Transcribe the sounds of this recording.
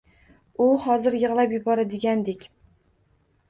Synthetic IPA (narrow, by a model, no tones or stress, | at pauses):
ʊhɒzɪɾjɨʁlˠapjʊbɒɾad̪ɪɡʲand̪ekʲ